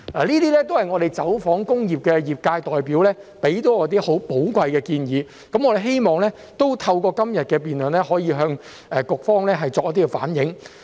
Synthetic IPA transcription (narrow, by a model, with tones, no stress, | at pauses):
laː˨˩liː˥t̪iː˥lɛː˥t̪o˥whɐ˨jŋɔː˨˧ɾe˨˩jt͡sɐ˨˥wfɔː˨˥ŋkʊ˥ŋjiː˨p̚kɛː˧jiː˨˩p̚kaː˧jt̪ɔː˨jpiː˨˥wlɛː˥pe˨˥jt̪o˨˥wɔː˨˧˥t̪̬iː˥ho˨˥wpo˨˥wkʷwɐ˧jkɛː˧kiː˧njiː˨˧ | kɐ˨˥mŋɔ˨˧ɾe˨˩ɦe˥jmɔː˨ŋlɛː˥ | t̪o˥wt̪ʰɐ˧wkɔː˧kɐ˥mjɐ˨t̚kɛː˧p̬iː˨nlɵ˨nlɛː˥ɦɔː˨˥jiː˨˧ɦœː˧ŋ | ʔɛː˨˩kʊ˨k̚fɔː˥ŋlɛː˥ɦɐ˨jt͡sɔː˧k̚jɐ˥t̪̬iː˥kɛ˧fa̰ː˨˥njɪ˨˥ŋ